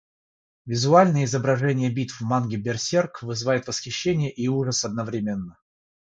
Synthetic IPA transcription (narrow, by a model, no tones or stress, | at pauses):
vʲɪzʊalʲnəjəɪzəbɾɐʐɛnʲɪjəbʲit̪vmanɡʲɪbʲɪrsʲerkvɨzɨvajɪt̪vəsxʲɪɕːenʲɪjəʔiuʐəsɐd̪nəvɾʲɪmʲenːə